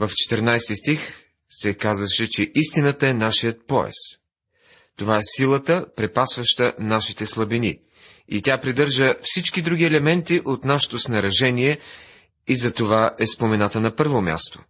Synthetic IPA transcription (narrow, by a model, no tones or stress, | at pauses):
vəft͡ʃɛ̥t̪əɾnajst̪ist̪ix | sɛkazvəʃɛt͡ʃɛʔist̪inət̪əɛnaʃijət̪̚pɔɛ̰s | t̪ovaɛsilˠət̪əpɾɛpasvəʃt̪ənaʃit̪ɛslˠɐbinḭ | it̪ʲapɾid̪ɤɾʒəfsit͡ʃkid̪ɾuɡʲiɛlɛmɛnt̪iʔot̪naʃɛ̥t̪osnɐɾɐʒɛniɛ | izɐt̪ovaʔɛspomɛnat̪ənɐpɤɾvomʲa̰st̪o̥̰